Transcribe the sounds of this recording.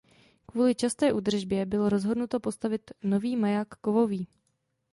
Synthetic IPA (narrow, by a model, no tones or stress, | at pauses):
kvuːlɪt͡ʃast̪ɛːʔuːd̪r̩ʒbjɛbɪlo̞ɾo̞zɦo̞dnut̪o̞po̞st̪avɪt̪no̞viːmajakːovo̞viː